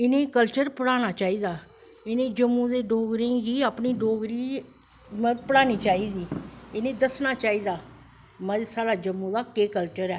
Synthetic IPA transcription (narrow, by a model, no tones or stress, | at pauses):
ɪnẽːkəlt͡ʃəɾpəɽaːnaːt͡ʃaːiːd̪aː | ɪnẽːd͡ʒəmːũːd̪eːɖoːɡɾẽːɡiːaːpniːɖoːɡɾiː | məpəɽaːniːt͡ʃaːiːd̪iːɪnẽːd̪əsnaːt͡ʃaːiːd̪aː | məsaːɽaːd͡ʒəmːũːd̪aːkeːkəlt͡ʃəɾɛː